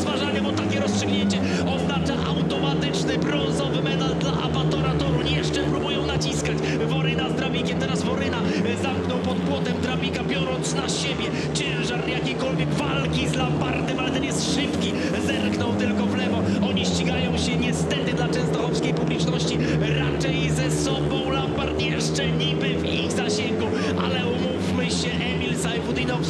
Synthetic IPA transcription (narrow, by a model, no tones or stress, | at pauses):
zvaʐaɲɛbɔt̪akʲɛɾɔstʂɨɡɲeɲt͡ɕɛ | ɔznat͡ʂaʔa̰wt̪ɔmat̪ɪt͡ʂnɘbɾɔ̃nzɔvɘmɛt̪ald̪laʔa̰pat̪ɔɾat̪ɔɾujɛʂt͡ʂɛpɾubujɔ̃w̃nat͡ɕiskat͡ɕ | vɔɾɪnazd̪ɾabʲikʲɛmt̪ɛɾaszvɔɾɪna | zamknɔ̃wpɔd̪pwɔt̪ɛmd̪ɾabʲikabʲjɔɾɔnt̪snaɕebʲjɛ | t͡ɕɛ̃w̃ʐaɾjakʲejkɔlvʲjɛɡvalkʲizlapaɾt̪ɛmalɛt̪ɛnjɛst̪ʂɪpkʲi | zɛmknɔwt̪ɪlkɔvlɛvɔ | ɔɲiɕt͡ɕiɡajɔ̃w̃ɕɛɲɛst̪ɛt̪ɪd̪lat͡ʂɛ̃ñst̪ɔlɔpskʲejpublʲit͡ʂnɔɕt͡ɕi | ɾat͡ʂɛjzɛsɔbɔ̃w̃lapaɾt̪ʲɛɾʂt͡ʂɛɲibɘviɣzaɕɛŋɡu | ʔa̰lɛumufmɘɕɛʔɛmʲilsaɛbud̪inɔfs